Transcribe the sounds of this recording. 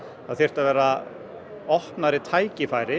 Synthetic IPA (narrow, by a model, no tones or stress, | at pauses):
aðθjɛr̥t̪aðvɛːɾa | ɔhpnaɾɪt̪ʰaːjcɪfaːjɾɪ